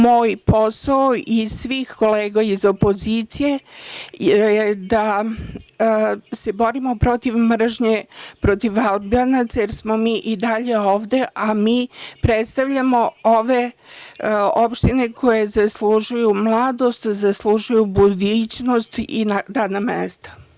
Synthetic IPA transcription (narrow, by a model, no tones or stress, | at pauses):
moːjpo̞saoisʋiːxko̞leːɡaizo̞po̞ziːt̪sije̞ | ed̪a | se̞bo̞ɾimo̞pɾo̞t̪iʋmr̩ʒɲe̞pɾo̞t̪iʋalˠbanat̪sajeɾsmo̞miːʔid̪aʎe̞oːʋd̪e̞ʔamiːpɾet̪st̪aʋʎamo̞oʋe̞ | opʃt̪ine̞kʰo̞jezasluʒujumlˠaːd̪o̞st̪zaslˠuʒujubud̪ut͡ɕno̞st̪inaɾaːd̪namḛst̪ḁ